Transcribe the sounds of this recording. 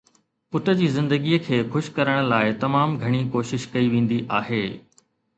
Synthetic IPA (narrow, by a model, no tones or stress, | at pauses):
pʊt̪ə̆d͡ʑiːzɪ̃nd̪əɡiəkʰeːxʊʃkɐɾəɽ̃̆laːɪt̪ɐmaːmɡʱɐɽ̃ikoːʃɪʃkɐiʋẽːn̆d̪iʔaːɦeː